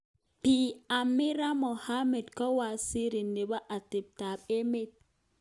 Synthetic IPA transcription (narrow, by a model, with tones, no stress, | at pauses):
pi˨a˨mːi˦ɾa˦mɔ˨ha˦mɛ˨dkɔ˦wa˨si˦ɾi˨ndɛ˨ba˦ʔa˨te˨p̚ta˨ɓe˦mɛ˦˨t̚